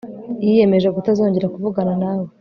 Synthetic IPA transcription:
ije̞me̞ʒeɡutazo̞ːɲɟe̞ɾakuvuɡananaːwe

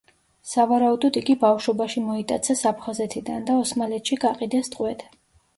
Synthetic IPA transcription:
savaɾaud̪ɔd̪iɡibafʃɔbaʃimɔit̪ʼa̰t̪sʰɛsapʰχazɛt̪ʰid̪and̪aɔsmalɛt̪ʰʃiɡaqʼid̪ɛst̪ʼqʼwɛt̪ʰ

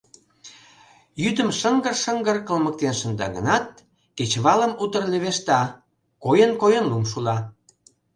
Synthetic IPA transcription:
jyd̪əmʃəŋɡərʃəŋɡərkəlmək̚t̪enʃə̆nd̪ɑ̰ɡə̰nɑt̪̚ | ket͡ɕβɑləmut̪ərleβeʃt̪ɑ | kojənkojənlumʃulɑ

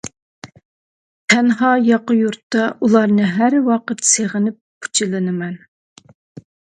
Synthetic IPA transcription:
t̪ʰɛnɦɑjɑqəjuɾt̪ːɑulˠɑɾnɨɦæɾwɑqət̪seʁənɪp̚kʰu̥t͡ʃʰɪlɪnɨmɛn

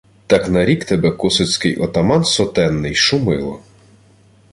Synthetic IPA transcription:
t̪ɑknɐɾʲikt̪ɛbɛkɔsʊt͡sʲkɪjʔɔt̪ɐmɑnsɔt̪ɛnːɪjʃʊmɪlˠɔ̰

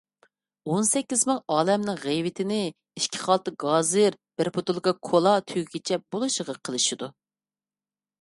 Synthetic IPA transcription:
onsɛkʲːizmɨŋɑːlɛmnɨŋʁejwɪt̪ʰɪnɪ | iʃkʲʰi̥χɑlˠt̪ɨɡɑːzɨɾ | b̥ɪɾpʰot̪ulˠkɑkʰolˠɑt̪ʰyɡʲit͡ʃʰɛbolˠuʃəʁɑqʰəlˠɨʃid̪u

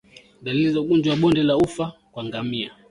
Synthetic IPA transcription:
dalilizauɡund͡ʒwwaɓɔndɛlaufakwaŋɡamia

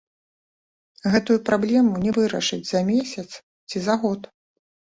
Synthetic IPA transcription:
ɣɛt̪ujupɾablʲɛmunʲɛvɨɾɐ̰ʂɨd͡zʲzɐmʲesʲɐt̪s | t͡sʲizaɣɔt̪

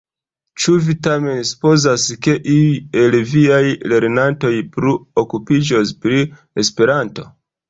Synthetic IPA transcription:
t͡ʃuvitame̞nsu̥po̞zaske̞ʔiie̞lviajle̞ɾnanto̞jpɾuokupid͡ʒospɾi | e̞spe̞ɾanto̞̰

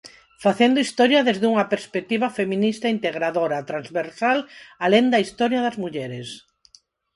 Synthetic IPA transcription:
faθend̪oist̪ɔɾjɐðezðuŋɐpeɾspek̚t̪iβɐfemĩnist̪aint̪eɣɾaðoɾat̪ɾanzβeɾsalalend̪ɐist̪ɔɾjɐðɐzmuʎɛɾes

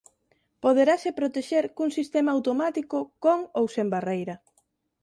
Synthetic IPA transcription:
poðeɾasepɾot̪eʃeɾkuŋsist̪emaawt̪omat̪ikʊkoŋowsembarejɾɐ

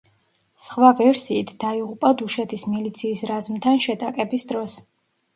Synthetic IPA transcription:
sχvavɛɾsiːt̪ʰd̪aiʁupʼad̪uʃɛt̪ʰismilit̪sʰiːsɾazmt̪ʰanʃɛt̪ʼakʼɛbisd̪ɾɔs

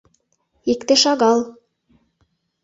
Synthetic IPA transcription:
ikt̪ɘ̆ʃɑɣɑl

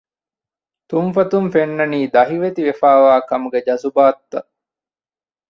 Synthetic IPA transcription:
t̪umfɐt̪umfenːɐniːd̪ɐɦiʋet̪iʋefaːʋaːkɐmuɡed͡ʒɐsubaːt̪ːɐ

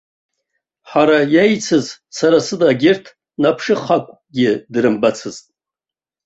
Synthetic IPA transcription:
ħaɾajajt͡sʰɨzsaɾasɨdaɡʲɪrtʰ | napʰʂɨχakʷʰʼ | ɡʲɪdɾɨmbat͡sʰɨztʼ

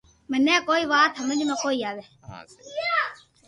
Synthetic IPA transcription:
mənɛ̃ːkoːiːʋaːt̪ʰɦəməd͡ʒmãːkoːiːaːʋeː

